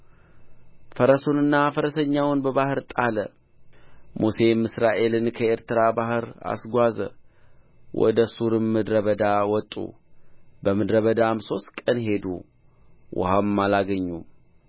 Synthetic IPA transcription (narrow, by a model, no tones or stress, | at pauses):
fəɾəsonɨnːafəɾəsəɲːawnbəβahɨɾt̪ʼalə | muse̞mːɨsɾaʔe̞lɨnkʰəe̞ɾt̪ɨɾabahɨɾa̰sɡʷazə̰ | wʔɔ̰d̪əsuɾɨmmːɨd̪ɾəβəd̪awɔt̪ʼːṵ | bəmɨd̪ɾəβəd̪amso̞st̪kʼənhe̞d̪ṵ | wʔa̰hamːalaɡəɲːu